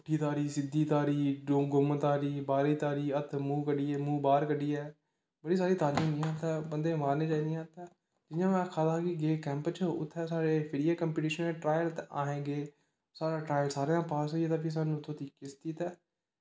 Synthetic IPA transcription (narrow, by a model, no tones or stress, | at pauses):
ʈːiːt̪aːɾiːsɪd̪iːt̪aːɾiːɡʊmt̪aːɾiːbaːɾiːt̪aːɾiːət̪ʰmũːkəɖiːɛːmũːbaːɾkəɖiːɛː | bəɽiːs̬aːɾiːt̪aːɾĩːniːãːt̪aːbənd̪eːmaːɾneːd͡ʒaːiniːãːt̪ɛ̃ː | d͡ʒɪnjãːmɛ̃ːkʰaːd̪akiɡeːkɛ̃ːmpt͡ʃəʊ̰t̪ʰːɛːsaːɾeːpʰɪɽiaːkəmpiːʈiːʃəneʈɾaːjəlt̪aːɦẽːɡeː | saːɾãːʈɾaːjəlsaːɾeːãːpaːsɦoːieːt̪ãːpʰis̬aːnũːʊt̪ʰːõːt̪iːkɪst̪iːt̪ɛː